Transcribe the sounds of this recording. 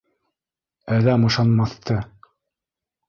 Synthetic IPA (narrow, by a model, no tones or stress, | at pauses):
æðæmɤ̆ʃɑnmɑθt̪ɤ